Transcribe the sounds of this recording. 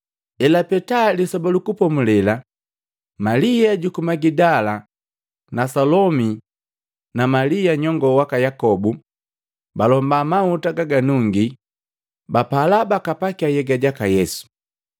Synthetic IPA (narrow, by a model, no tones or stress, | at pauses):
ɛlapɛtalisɔbalukupɔmulɛla | malijaɟukumaɡidala | nasɔlɔmi | namalijaɲɔŋɡɔwakajakɔbu | balɔmbamautaɡaɡanuŋɡi | bapalabakapakiajɛɡaɟakajɛsu̥